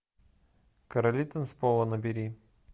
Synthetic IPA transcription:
kɐɾɐlʲit̪ənspolˠənəbʲiɾʲi

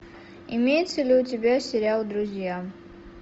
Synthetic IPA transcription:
ɪmʲejt̪səlʲuːtʲɪbʲasʲɪɾʲalˠd̪ɾʊzʲja

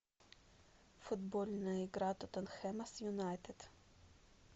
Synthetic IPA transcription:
fud̪bolʲnɐiɡɾat̪ot̪ɐnxɛmɐsjunajt̪et̪

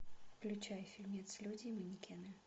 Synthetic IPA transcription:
klʲʊt͡ɕajfʲilʲmʲɛt̪slʲudʲiːmɨnʲikʲɛnɨ

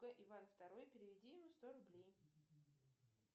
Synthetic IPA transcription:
ɡəʔɪvanft̪ɐɾo̞jpʲɪɾʲɪvʲɪdʲijɪmust̪oɾʊblʲej

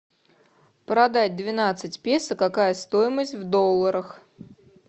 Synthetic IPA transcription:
pɾɐd̪atʲd̪vʲɪnat̪sɨtʲpʲesəkakajəst̪ojɪməsʲtʲvd̪o̞lˠːəɾəx

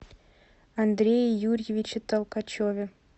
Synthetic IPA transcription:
ɑnd̪ɾʲejjurʲjevʲit͡ɕɘ̆t̪ɑlˠkɑt͡ɕovʲe

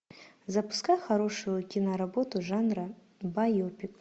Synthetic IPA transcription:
zɐpʊ̥skaxɐɾo̞ʂɨjukʲinɐɾɐbot̪ʊʐanrɐ | bajopʲik

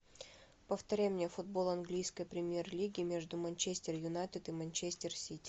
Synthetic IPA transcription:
pəft̪ɐɾʲæjmnʲefʊd̪̚bo̞lˠɐnɡlʲijskəjpɾʲɪmʲje̞rlʲiɡʲɪmʲe̞ʐd̪ʊmɐnʲt͡ɕesʲtʲɪrjʊnat̪ɨt̪ɨmɐnʲt͡ɕesʲtʲɪrsʲitʲɪ̥

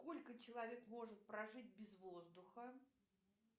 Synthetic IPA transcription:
sko̞lʲkət͡ɕɪlˠɐvʲe̞kmo̞ʐɨt̪̚pɾɐʐɨt̚ʲbʲɪzvozd̪ʊxə

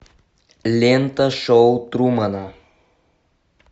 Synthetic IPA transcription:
lʲent̪ɐʃɔʊt̪ɾumɐna

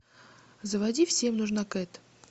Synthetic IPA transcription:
zəvɐdʲifsʲemnuʐnakɛt̪

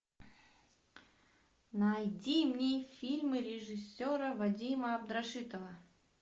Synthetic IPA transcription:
nɐjdʲimnʲijfʲilʲmɨɾʲɪʐɨsʲːoɾəvadʲiməɐbd̪ɾaʂɨt̪əvə

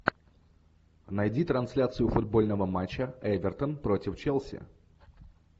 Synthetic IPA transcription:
nɐjdʲit̪ɾɐnsʲlʲat̪sɨjʊfʊd̪̚bo̞lʲnəvəmat͡ɕːəɛvʲɪrt̪ənpɾo̞tʲɪft͡ɕelˠsʲɪ̰

